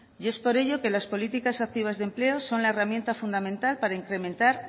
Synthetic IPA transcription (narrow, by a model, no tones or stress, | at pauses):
je̞spo̞ɾe̞ʝo̞ke̞laspo̞lit̪ikasak̚t̪iβ̞azðemple̞o̞so̞nlaeramje̞nt̪afund̪amẽ̞nt̪alpaɾaiŋkɾe̞mẽ̞nt̪aɾ